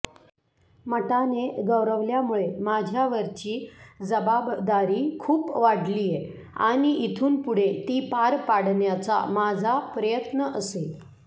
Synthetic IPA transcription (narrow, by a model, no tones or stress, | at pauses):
məʈaneɡəʋɾəʋljamuɭemad͡ʑʱjaʋəɾt͡ɕiːd͡zəbabd̪aɾiːkʰuːpʋaɽlije | a̰ɽ̃iʔit̪ʰuːnpuɽ̤et̪iːpaɾpaɽ̤ɳjat͡sa̰mad͡zʱapɾəjət̪nəʔəsel